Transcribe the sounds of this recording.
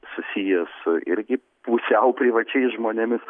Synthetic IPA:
sʊsʲijɛsʊʔɪ̰ɾʲɡʲɪ | puːsʲɛʊpʲɾʲiːʋɐt͡ʃʲɛɪsʒmoːnʲɛmʲɪs

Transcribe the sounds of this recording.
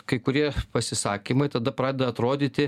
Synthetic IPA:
kɐɪkʊɾʲiɛpɐsʲɪsɑːkʲimɐɪt̪ɐd̪ɐpɾɑːd̪ʲɛd̪ɐt̪ɾoːd̪ʲiːt̪ʲɪ

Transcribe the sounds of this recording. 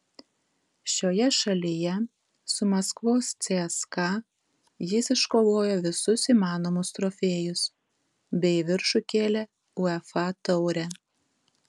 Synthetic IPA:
ʃʲoːjɛʃɐlʲɪjɛ | sʊmɐskʋoːst̪sʲeɛskɑ | jɪsɪʃkoːʋoːjoːʋʲɪsʊsiːmɑːnoːmʊst̪ɾɔːfʲeːjʊs | bʲɛɪʋʲɪɾʃʊkʲeːlʲɛ | ʊɛfɑt̪ɐʊɾʲɛ

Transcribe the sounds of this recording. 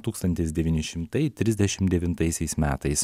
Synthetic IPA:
t̪uːkst̪ɐnʲt̪ʲɪsd̪ʲɛʋʲiːnʲɪʃʲɪmt̪ɐɪt̪ʲɾʲɪzʲd̪ʲɛʃʲɪmd̪ʲɛʋʲɪnt̪ɐɪsʲɛɪsmʲæːt̪ɐɪs

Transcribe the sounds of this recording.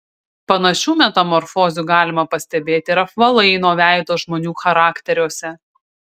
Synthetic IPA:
pɐnɐʃʲuːmʲɛt̪ɐmɔɾfɔːzʲuːɡɑːlʲɪmɐpɐsʲt̪ʲɛbʲeːt̪ʲɪɾɐfʋɐlˠɐɪnoːʋʲæˑɪt̪oːʒmoːnʲuːxɐɾɑːkt̪ʲɛɾʲoːsʲɛ

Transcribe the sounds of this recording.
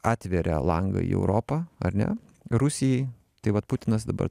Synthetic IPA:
ɑːt̪ʲʋʲɛɾʲɛ̰lˠɐŋɡɐ̰ḭːɛ̰ʊɾoːpɐɐɾnʲɛ̰ | ɾʊsʲɪjɛɪ | t̪ɐɪʋɐt̪̚pʊt̪ʲɪnɐsd̪ɐbɐ̰ɾ

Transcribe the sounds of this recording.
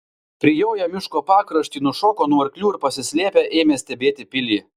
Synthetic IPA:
pʲɾʲɪjoʊjɛmʲɪʃkoːpɑːkɾɐʃʲt̪ʲiːnʊʃoːkoːnuːɐɾʲkʲlʲuːɪɾpɐsʲɪsʲlʲeːpʲeʔeːmʲeːsʲt̪ʲɛbʲeːt̪ʲɪpʲɪlʲiː

